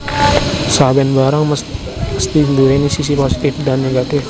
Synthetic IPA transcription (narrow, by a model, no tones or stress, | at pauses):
sawɛnbaɾaŋ | məst̪induwenisis̬iposi̥t̪ɪfdanːeɡat̪ɪf